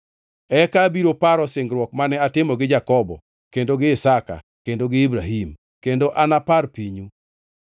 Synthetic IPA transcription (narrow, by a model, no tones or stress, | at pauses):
ɛkabiɾopaɾɔsɪŋɡɾwɔk̚manɛatɪmɔɡɪd͡ʒakɔbɔ̰ | kendoɡɪːsaka̰ | kendoɡɪibɾaɦim | kendoʔanaparpiɲu